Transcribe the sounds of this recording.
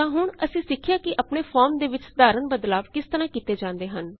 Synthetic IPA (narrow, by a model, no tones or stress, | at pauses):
ãːɦʊɳəsĩːsɪkʰːjaːkɪʔəpɳeːpʰɔːɾmd̪eːʋɪt͡ʃd̪aːɾənbəd̪laːbkɪst̪əɾãːkiːt̪eːd͡ʒãːnd̪eːɦən